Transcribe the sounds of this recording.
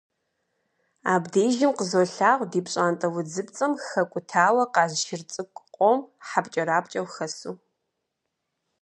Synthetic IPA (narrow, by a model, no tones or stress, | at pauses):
aːbdeːʒɪmqəzoːɬaːʁʷdiːpɕʼaːntʼɐwʊd͡zɨp̚t͡sʼɐmxɐkʷʼʊtʰaːwɐqɑːzʃɪrt͡sʼɨkʷʼqʷʼɔmħapt͡ʃʼɐɾaːpt͡ʃʼɐwxɐsuː